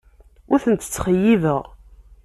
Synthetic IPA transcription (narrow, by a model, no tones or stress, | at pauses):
ʊɾθənt̪ə̥t͡sːχəjːivəʁ